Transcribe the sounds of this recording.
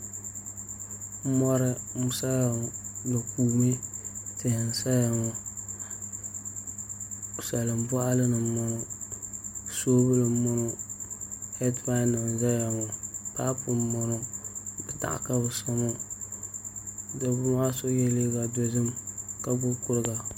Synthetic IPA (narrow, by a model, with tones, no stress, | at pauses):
m˦mɔ˦ɾɨ˦mʊ˦sa˦ja˨ŋo˨ba˨kuː˨me˦tɪ˨hn̩˨sa˦ja˨ŋo˨ | sa˨lɨ˨mba˦ʔa˦lɨ˦nɨ˨˦mʊ˦no˦ | soː˦bɨ˦lɨ˨˦mʊ˦no˦ | hɛ˦tma˦na˨n˨za˦ja˨ŋo˨ta˦pu˨mɔ˨no˨bɨ˨ta̰˨ʔka˦bʊ˨sa˦mo˦ | do˨bʊ˦ma˦so˦jɛ˦le˦ɡa˨do˦zɨ˦mka˦bʊ˦kʊ˦ɾɡa˨